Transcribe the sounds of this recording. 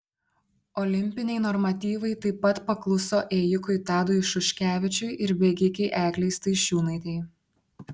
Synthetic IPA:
ɔlʲɪmʲpʲɪnʲɛɪnɔɾmɐt̪ʲiːʋɐɪt̪ɐɪpːɐt̪pɐklˠʊsoːʔeːjʊkʊjt̪ɑːd̪ʊjʃʊʃʲkʲæːʋʲɪt͡ʃʲʊjʔɪɾbʲɛɡʲɪkʲɛɪʔæːklʲɛɪst̪ɐɪʃʲuːnɐɪt̪ʲɛɪ

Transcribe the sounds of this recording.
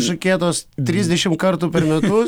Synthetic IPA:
ʃɐkʲeːt̪oːst̪ʲɾʲizʲd̪ʲɛʃʲɪmkɐɾt̪uːpʲɛɾmʲɛt̪ʊ

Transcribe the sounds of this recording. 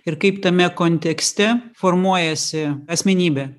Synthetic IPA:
ɪɾkɐɪpt̪ɐmʲɛkoːnʲt̪ʲɛksʲt̪ʲɛfoːɾmuɔjɛsʲɪɐsʲmʲɛnʲiːbʲɛ

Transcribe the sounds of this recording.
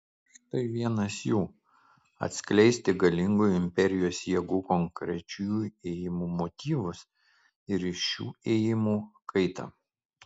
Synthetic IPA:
ʃt̪ɐɪʋʲiɛnɐsjuː | ɐ̰t̪ʲsʲklʲɛɪsʲt̪ʲɪɡɐlʲɪŋɡʊjɪmʲpʲɛɾʲɪjoːsjiɛɡuːkɔŋkɾʲɛt͡ʃʲuːjuːeːjɪmuːmot̪ʲiːʋʊs | ɪɾɪʃʃʲṵːeːjɪmuːkʰɐɪt̪ɐ̰

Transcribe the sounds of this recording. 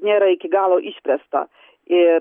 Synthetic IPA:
nʲeːɾɐɪkʲɪɡɑːlˠoːʔiːʃʲpʲɾʲɛst̪ɐ̰ | ɪ

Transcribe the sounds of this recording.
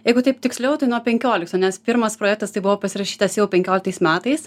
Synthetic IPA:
jɛɪɡʊt̪ɐɪpt̪ʲɪksʲlʲɛʊt̪ɐɪnuɔpʲɛŋʲkʲoːlʲɪkt̪oːnʲɛspʲɪɾmɐspɾoːjɛkt̪ɐst̪ɐɪbʊʋoːpɐsʲɪɾɐʃʲiːt̪ɐsjɛʊpʲɛŋʲkʲoːlʲɪk̚t̪ɐɪsmʲæːt̪ɐɪs

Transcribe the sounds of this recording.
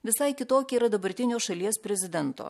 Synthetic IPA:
ʋʲɪsɐɪkʲɪt̪oːkʲiiːɾɐd̪ɐbɐɾʲt̪ʲɪnʲoːʃɐlʲiɛspʲɾʲɛzʲɪd̪ʲɛnt̪o̰ː

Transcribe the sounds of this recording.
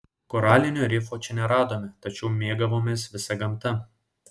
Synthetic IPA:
kɔɾɑːlʲɪnʲoːɾʲɪfoːt͡ʃʲɛnʲɛɾɑːd̪oːmʲɪt̪ɐt͡ʃʲɛʊmʲeɛɡɐʋoːmʲeːsʋʲɪsɐɡɐmˑt̪ɐ

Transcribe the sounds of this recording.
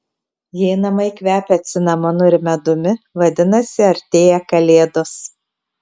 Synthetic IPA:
jɛɪnɐmɐɪkʲʋʲæːpʲɛɐt̪ʲsʲɪnɐmonʊɪɾʲmʲɛd̪ʊmʲɪʋɐd̪ʲɪnɐsʲɪɐɾʲt̪ʲeːjɛkɐlʲeːd̪os

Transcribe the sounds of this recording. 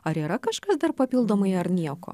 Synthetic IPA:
ɐɾiːɾɐkɐʃkɐsd̪ɐrpɐpʲilˠd̪oːmɐɪɐɾnʲiɛko̰

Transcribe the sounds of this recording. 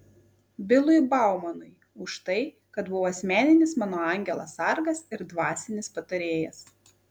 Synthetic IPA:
bʲɪlˠʊjbɑˑʊmɐnʊɪ | ʊʃt̪ɐɪ | kɐt̪bʊʋoːɐsʲmʲæːnʲɪnʲɪsmɑːnoːɑˑŋʲɡʲɛlˠɐsɐɾɡɐsɪɾd̪ʋɑːsʲɪnʲɪspɐt̪ɐɾʲeːjɛs

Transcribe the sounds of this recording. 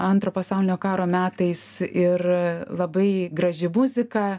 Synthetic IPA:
ɐnt̪ɾoːpɐsɐʊlʲɪnʲoːkɑːɾoːmʲæːt̪ɐɪsɪrlˠɐbɐɪɡɾɐʒʲɪmʊzʲɪkɑ

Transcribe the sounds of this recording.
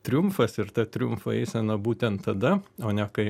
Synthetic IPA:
t̪ʲɾʲʊmfɐsɪɾt̪ɐt̪ʲɾʲʊmfɐɛɪsʲɛnɐbuːt̪ʲɛnt̪ːɐd̪ɐoːnʲɛkɐɪ

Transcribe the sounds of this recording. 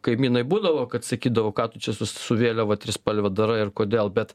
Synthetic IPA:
kɐɪmʲiːnɐɪbuːd̪ɐʋoːkɐt̪sɐkʲiːd̪ɐʋoːkɑːt̪ʊt͡ʃʲɛsʊssʊʋʲeːlʲoʋɐt̪ʲɾʲɪspɐlʲʋʲɛd̪ɐɾɐɪrkoːd̪ʲeːlˠbʲɛt̪

